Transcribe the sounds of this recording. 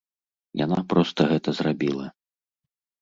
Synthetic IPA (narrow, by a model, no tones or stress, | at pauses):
ja̰napɾɔst̪ɐɣɛt̪ɐzrabʲilˠɐ